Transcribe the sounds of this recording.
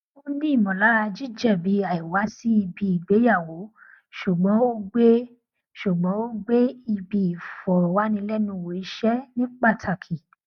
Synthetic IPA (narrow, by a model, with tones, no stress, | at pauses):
o˦nĩ˦i˦˨mɔ̃˨la˨˦ɾa˧d͡ʒi˦d͡ʒɛ˦˨bi˨˦a˨i˨wa˨˦si˦i˧bi˧i˨ɡ͡be˨˦ja˦˨wo˨˦ | ʃu˨ɡ͡bɔ̃˨˦o˦ɡ͡be˦ | ʃu˨ɡ͡bɔ̃˨˦o˦ɡ͡be˦i˧bi˧i˨fɔ˨ɾwa˨˦nĩ˧lɛ˦nũ˧˨wo˨˦i˧ʃɛ˦nĩ˦k͡pa˦˨tʰa˨kʰi˨